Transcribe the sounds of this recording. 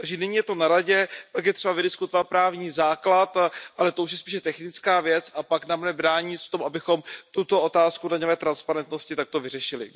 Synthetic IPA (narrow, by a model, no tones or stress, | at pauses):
t̪aɡʒɛnɪɲiːjɛt̪o̞naɾaɟɛpakjɛt̪r̥ɛbavɪdɪskut̪ovat̪̚pɾaːvɲiːzaːklat̪ʔalɛt̪o̞uʃ̬jɛspiːʃɛt̪ɛxnɪt͡skaːvjɛt͡sʔapaknamnɛbɾaːɲɪsft̪o̞mabɪxo̞mt̪ut̪o̞ʔot̪aːskudaɲovɛːt̪ɾanspaɾɛnt̪no̞scɪt̪ak̚t̪o̞vɪrɛʃɪlɪ̰